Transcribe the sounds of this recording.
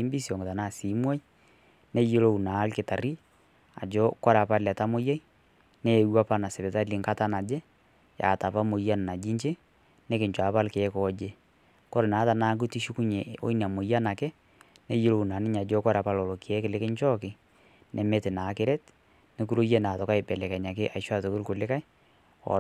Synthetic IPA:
i˦mbi˦sjɔ˨ŋɡta˨na˦˨si˨˦mwa˦i˦ | ne˦jo˦lo˦˨u˨na˨˦lkɪ˨ta˨ɾi˦ | a̰˨d͡ʒɔ˦kɔ˦ɾa˨pa˦lɛ˨ta˦mo˦ja˦i˦ | ne˦˨wa˦pa˦na˨sɪ˨βe˨ta˦li˨ŋka˦ta˦na˨d͡ʒɛ˦ | ja̰˨ta˨pa˦mo˨ja˦n˨na˨d͡ʒi˦ɲt͡ʃe˦ | ne˦kɪ˨ɲt͡ʃwa˨pa˦lkːkɔː˨˦d͡ʒe˦ | kɔ˦ɾɪ˨naː˨˦ta˨na˦k̬u˦ti˦ʃu˦ku˦ɲe˨o̰˦i˦na˨mo˨ja˦na˨kɛ˦ | ne˦ji˦lo˨u˨na˨nɪ˦ɲa˨d͡ʒɔ˦kɔ˦ɾa˨pa˦lɔ˨lɔ˨ki˨ɛ˦kɪ˨lɪ˦kɪ˦ɲt͡ʃɔ˦kɪ˨ | nʔɛ˨mɛ˦tɪ˨na˨˦kɪ˦ɾɛ˦t | ne˦ku˦ɾo˦je˦na˨tɔ˨ka˦ɪ˨bɛ˨lɛ˨kɛ˨ɲa˨kɪ˦ʔa˨ʃwa˦˨to˨ko˦lkʊ˨lɪ˦ka˦j | ɔ̰˨

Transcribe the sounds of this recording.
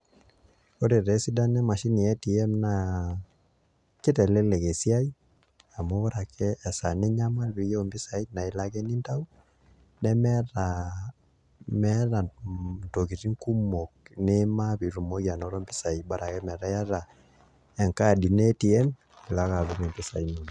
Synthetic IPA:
o˦ɾe˨ɾɛ˨˦si˦da˦nɛ˦ma˨ʃi˦ni˨ɛ˦ti˨ɛ˦mna˨ | ke˦tɛ˨lɛ˦lɛ˨ɣe˨si˦a˦i˦ | a˨mɔ˦βa˦ɾa˨kɛː˦˨sa˨ne˦ɲa˦ma˦lβi˨jɛ˦˨mbe˦sa˨i˦na˨i˨la˦ɣɛ˦ni˦nta˦u˦ | nɛ˦mɛ˦ɾa | mɛɾa˨to˨ɣi˨ɾi˦ŋku˦mɔ˨k̚ne˦ma˦βi˨ɾu˨mo˦ɣi˦a˨nɔ˦ɾɔ˦mbi˦sa˨i˨ba˦ɾa˨kɛ˦mɛ˨ɾa˦ja˦ɾa˨ | ɛ˨ŋka˦˨di˨nɛti˨ɛ˦m | e˨la˦ɣa˨βu˦me˨mbe˦sa˨i˦nu˨n

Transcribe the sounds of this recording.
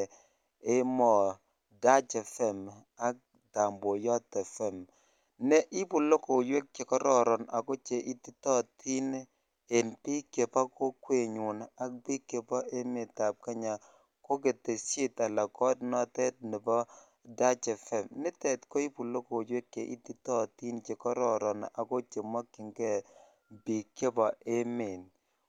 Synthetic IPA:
e˦mɔ˨ | da˦t͡ʃɛ˨fɛ˨m | a˨˦k̚ | da˨mbo˨jɔ˦tɛ˨fɛ˦˨m | nɛ˦ʔɪ˦pu˨lo˦ko˨jwe˦k̚ke˨kɔ˦ɾɔ˦˨ɾɔ˨na˨ko˦t͡ʃe˨ʔi˦ti˦tɔ˦ti˦n | e˨npi˦kːe˨pɔ˦ko˦kwe˨ɲu˨na˨k̚pi˦kːe˨pɔ˦ʔe˦mɪ˨ta˨p̚ka˦ɲa˨ | ko˦ke˨te˨sje˦ta˨la˨kɔ˦tnɔ˦tɛ˦t̚nɪ˨bɔ˦ | da˦t͡ʃɛ˨fɛ˨mnɪ˦tɛ˨tkɔ˦i˦pu˨lo˦ko˨d͡ʒwe˦kːe˨ʔḭ˦ti˦tɔ˦ti˦nt͡ʃe˨kɔ˦ɾɔ˦˨ɾɔ˨na˨ko˦t͡ʃe˨ma˦kːɪ˨ŋɡɛ˦˨ | bi˨kːe˦pɔ˨e˦me˨n

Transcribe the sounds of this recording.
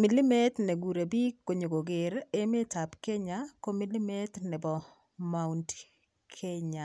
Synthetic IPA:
mi˦lɪ˦me˦t̪nɛ˨ɡu˨ɾe˨bi˦kːo˨ɲo˨ɡo˨ɡɪ˨ɾe˦me˦ta˨pke˦ɲako˦mɪ˦li˦mɛ˦t̪nɛ˨bɔ˨ | ma˨wnt | kʰe˦ɲa˨

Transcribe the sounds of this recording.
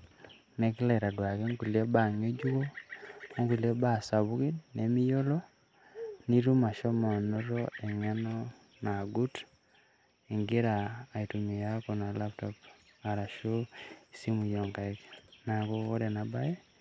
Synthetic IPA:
ne˦ki˦le˨ɾa˨dwa˨ke˦ŋku˨li˦e˦ba˨ɲo˦d͡ʒu˦ko˦ | ŋku˨lie˦ba˦˨sa˨βu˦ɣi˦dne˨mi˦jo˦lo˦ | ni˦ɾu˦ma˨ʃo˦ma˨noɾoe˨ɲa˦no˦ | na˨ɡu˦t | e˨ŋɡe˦ɾaː˨itu˨mi˨ja˦ko˨na˨laptɔp | a˨ɾa˨ʃo˦i˨si˦mu˨jo˨ŋka˨e˦kna˨ko˦o˦ɾe˨naba˦je˦

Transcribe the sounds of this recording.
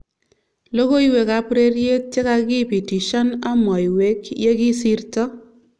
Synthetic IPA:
lo˦ɡo˦i˦we˨ka˨pɾe˦ɾje˦t͡ʃje˦ka˨ɡɪ˦˨pi˨ti˨ʃɔ˦na˦mɔ˨i˨we˨˦kje˦ɡɪ˦si˦ɾtɔ˦

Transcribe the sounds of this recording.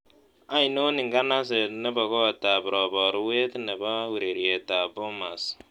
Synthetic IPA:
a˨˦ɪ˨no˦ni˨ŋɡa˦na˦s̬e˨tnɛ˦ba˨kɔ˦˨ta˨bɾɔ˨bɔ˨ɾwe˦tnɛ˨ba˦wu˨ɾe˨ɾje˨ta˨bo˦ma˨s

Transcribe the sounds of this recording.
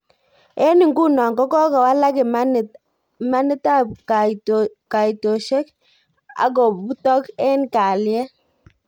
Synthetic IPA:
ɛ˦ni˨ŋɡu˦nɔ˨ŋɡɔ˦kɔ˦kɔ˨wa˦la˦kɪ˨ma˦n˨ | ma˦nɪ˦ta˦pka˨ka˨i˨to˨ʃɛ˦k | a̰˨k̬ɔ˨pu˦tɔ˦kɛ˦nka˨ljɛ˦

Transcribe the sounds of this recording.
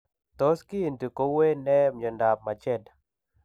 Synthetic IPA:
t̪o˦ski˦e˨nt̪i˨ko˨˦we˦nɛ˦mɲɔ˨nda˨p̚ma˨t͡ʃɛ˦˨d

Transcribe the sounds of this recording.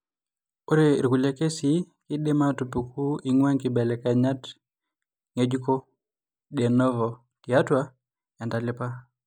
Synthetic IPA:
o˦ɾe˦˨ɾɡu˨la˦ke˦si˦ | kɪ˦de˦ma˦tu˨pu˨ku˦i˦ŋwɛ˦ŋkɪ˦bɛ˨lɛ˨ka˨ɲa˦t | ŋe˦d͡ʒu˦ko˦ | de˨nɔ˦vɔ˨ | tɪ˨a˦twa | ja˨nta˨lɪ˦pa˦

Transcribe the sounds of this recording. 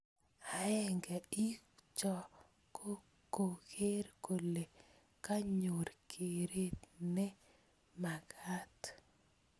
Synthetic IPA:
a˦ɛ˦˨ŋɡɛ˨i˦kt͡ʃɔ˨ | ko˦ | ko˨ke˦ɾko˨le˨ | ka˦ɲo˨ɾkʰe˨ɾe˦t̪nɛ˦ | ma˨kʰa˦t̪

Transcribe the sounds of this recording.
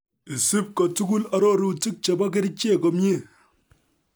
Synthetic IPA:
i˨si˦p̚ko˨tu˦ɡu˦la˦ɾo˦˨ɾu˦˨ti˦k̚t͡ʃe˨ba˦k̬e˦ɾi˦t͡ʃe˦˨ko˨mje˦˨

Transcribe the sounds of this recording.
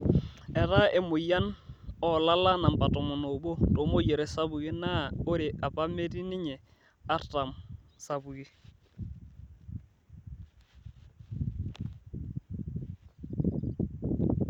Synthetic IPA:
ɛ˨ta˦ʔe˨mʊ˨ja˦nɔ˨la˦la˦na˨mpa˨tɔ˨mʊ˨no˨bo˦to˨˦mo˦ɟe˨ɾɛ˨sa˦bu˨ɡi˦naː˦o˦ɾɪ˨ʔa˨pa˦me˦ti˦nɪ˦ɲɛ˨ | a˦ta˨msa˨bu˨ɡi˦

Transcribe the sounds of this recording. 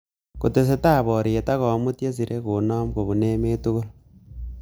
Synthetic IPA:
ko˨te˨s̬e˦ta˦βo˨ɾie˨ta˦ɣo˨mu˦tje˦s̬i˨ɾʔe˦kuno˦mko˨βu˨ne˦meː˦tu˦ɣu˦lo

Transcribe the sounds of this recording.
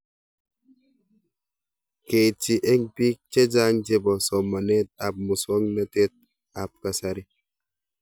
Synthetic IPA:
ke˨t͡ʃi˨ʔe˦ŋpi˦k̚t͡ʃe˦d͡ʒa˦ŋd͡ʒe˦bɔ˨sɔ˨ma˨nɛ˦t̚a˨p̚mu˨swɔ˦ŋna˦te˦t̚ | a˨p̚ka˨sa˦ɾi˦

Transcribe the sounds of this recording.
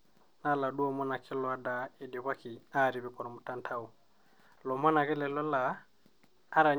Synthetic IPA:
na˦˨la˨du˦ɔ˦˨mɔ˦na˨kʰɪ˦lɔ˨a˦da˨ɪ˨di˨βwa˦kɪ˨a˦˨ɾi˨βɪ˦kɔ˨ɾɔ˨mu˨ta˦ntʰa˦u˨ | lɔ˨mɔ˦na˨kɛ˦lɛ˨lɔ˦laː˨˦ | ɾa˨

